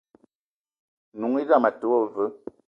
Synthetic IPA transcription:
nu˨ŋi˦za˦˨ma˨to˨wo˦və˨˦

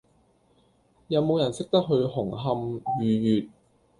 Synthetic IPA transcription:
jɐ˨˧wmo˨˧wjɐ˨˩nsɪ˥k̚t̪ɐ˥k̚ɦɵ˧ɥɦʊ˨˩ŋɦɐ˧mjyː˨jyː˨t̚

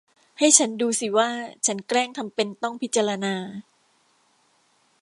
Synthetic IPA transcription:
ha˥˩jt͡ɕʰa˦˥nduː˧si˨˩waː˥˩t͡ɕʰa˦˥nkɾɛː˥˩ŋt̪ʰa˧mpe˧nt̪ɔ˥˩ŋpʰi˦t̪̚t͡ɕa˧ɾa˧naː˧

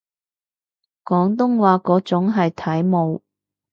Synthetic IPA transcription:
kɔː˨˥ŋt̪̬ʊ˥ŋwaː˨˧kɔː˨˥t͡sʊ˨˥ŋɦɐ˨jt̪ʰɐ˨˥jmo˨˧w

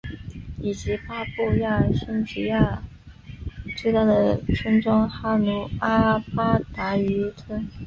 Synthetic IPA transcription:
i˨˩t͡ɕi˧˥pa˥pu˥˧ja˥˩ɕi˥nt͡ɕi˧˥ja˥˩ | t͡swe˥˧ɪt̪a˥˩d̪ə˩ʈ͡ʂʰə˥ŋʈ͡ʂwɑ˥ŋxa˥lu˧˥a˥pa˥t̪a˧˥y˧˥ʈ͡ʂʰə˥n

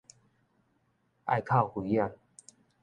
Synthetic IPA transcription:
ʔa̰˥˧jkʰa˥˧˨whwi˨˦ja˥˧n

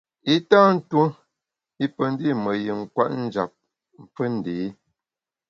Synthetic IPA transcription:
i˦taː˦n̩˦twu˦ | i˦pə˨n˦di˦˨mə˨ji˨ŋ̩˨kwa̰˦ʔn̩˦d͡ʒa˨p̚ | m̩˨p͡fə˦n̩˨deː˨˦

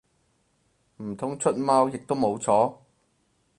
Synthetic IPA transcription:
m̩˨˩t̪ʰʊ˨˥ŋt͡ʃʰɵ˥t̚maː˥wjɪ˨k̚t̪o˥wmo˨˧wt͡sʰɔː˨˥

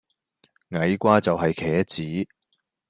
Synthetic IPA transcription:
ŋɐ˨˥jkʷaː˥t͡sɐ˨wɦɐ˨jkʰɛː˨˥t͡siː˨˥

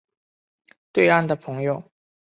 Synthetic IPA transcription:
t̪we˥˧ɪa˥˩nd̪ə˩pʰɤ˧˥ŋjo˥˧ʊ

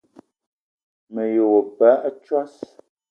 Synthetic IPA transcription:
mə˨jo˨wo˨pa˨˦ʔt͡ʃwa˦s

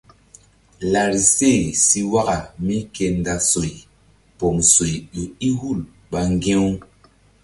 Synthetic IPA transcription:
la˨ɾi˨se˦˨si˧wa˦ɡa˨mi˦ke˧nda˨so˨i˨ | po˨mso˨jju˨i˦hu˦˨l | ɓa˨ŋɡẽ˦w

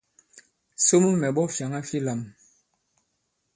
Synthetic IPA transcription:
so˦mu˦mɛ˨ɓɔ˦fja˨ŋa˦fi˦la˨m

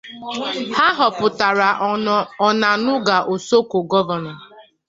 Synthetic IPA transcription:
ha˦ɦɔ˨pʊ˨ta˨ɾa˨ɔ˨na˨nʊ˦ɡa˨ʔo˨so˦ko˨ɡɔ˦vɔ˨nɔ˨

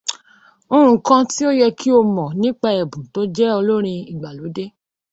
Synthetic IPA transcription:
o˧ɾũ˨kã˧ti˦o˦jɛ˧kʰi˦o˧mɔ̃˨nĩ˦k͡pa˧ɛ˨bũ˨to˦d͡ʒɛ˦ɔ˧lo˦ɾ̃ĩ˧i˨ɡ͡ba˨lo˨˦de˦

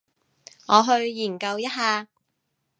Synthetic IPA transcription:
ŋɔː˨˧ɦɵ˧ɥjiː˨˩nkɐ˧wjɐ˥t̚ɦaː˧

